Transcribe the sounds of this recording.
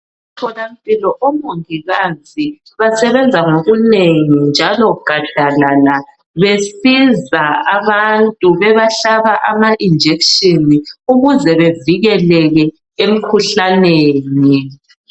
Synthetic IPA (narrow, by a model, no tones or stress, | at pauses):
tʰɔlampʼilɔʔɔmoŋiɣazi | βasɛβɛnd͡zʱaŋoɣuneŋind͡ʒʱalɔɡ̥ʱad̥ʱalana | βesizaaβantʼuβɛβaɬaβaʔamaʔind͡ʒʱekʃiniuɣuzɛβeviɣɛlɛɣɛ | em̩kʰuɬaneːni